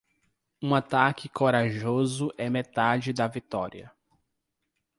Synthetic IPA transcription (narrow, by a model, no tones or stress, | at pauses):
ũat̪akɪkoɾaʒozʊʔɛmet̪ad͡ʒɪd̪ɐvit̪ɔɾiɐ